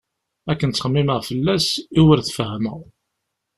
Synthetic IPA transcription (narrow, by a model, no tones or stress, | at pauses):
ækːənt͡sːəχmːiməʁfəlːæsiwəɾθfəhməʁ